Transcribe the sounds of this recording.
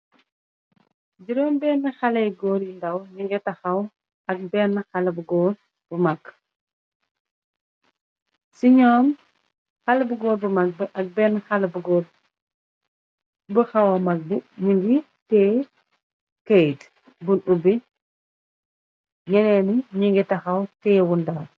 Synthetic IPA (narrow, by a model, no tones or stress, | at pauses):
d͡ʒiɾɔmbɛːnːəxɐlɐjɡɔːɾjindɐwɲuɡɛtɐxɐw | ɐk̚bɛːnːəxɐlɐbɡɔːr | b̥umɐkː | siɲɔːm | xɐlbuɡɔːɾbumɐk̚bɛʔɐk̚bɛnxɐlɐbuɡɔːɾ | bəxɐwɐmɐk̚biɲuŋɡi | tɛː | kɐjt | bunɗubi | ɲɛnɛniɲuŋɡitɐxɐwtɛːwundɐw